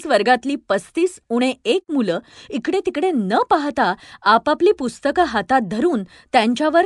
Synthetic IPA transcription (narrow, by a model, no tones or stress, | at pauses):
sʋəɾɡat̪liːpəst̪iːsuɽ̃eek̚muləːikɽet̪ikɽenəpaɦt̪aːpapliːpust̪əkəɦat̪at̪̚d̪ʱəɾuːn | t̪jaɲt͡ɕjaʋəɾ